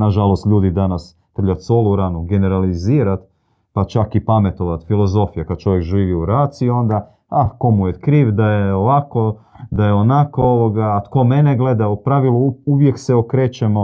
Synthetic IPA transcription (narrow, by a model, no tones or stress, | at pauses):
naʒalo̞st̪ʎʲuːd̪id̪anas | t̪r̩ʎat̪solˠuɾanuɡe̞ne̞ɾaliziːɾat̪ | pat͡ʃakipame̞t̪o̞ʋat̪filˠo̞zo̞fijakad̪̚t͡ʃo̞ʋjekʒiːʋiuɾaːt̪sio̞nd̪a | ahko̞mujet̪kɾiːʋd̪ajeoʋako̞d̪ajeo̞nakooʋoɡaːt̪ko̞me̞neɡle̞d̪aupɾaʋilˠuuʋje̞kseokɾeːt͡ɕemo̞